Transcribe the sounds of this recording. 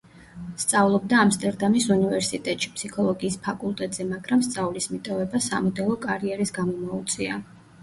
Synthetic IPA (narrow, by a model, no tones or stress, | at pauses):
st̪sʼavlˠɔb̚d̪aːmst̪ʼɛɾd̪amisunivɛɾsit̪ʼɛt̪ʼʃi̥pʰsikʰɔlˠɔɡiːspʰakʼulˠt̪ʼɛt̪ʼz̥ɛmaɡɾamst̪sʼavlismit̪ʼɔvɛbasa̰mɔd̪ɛlˠɔkʼaɾiɛɾisɡamɔmɔut̪sʼia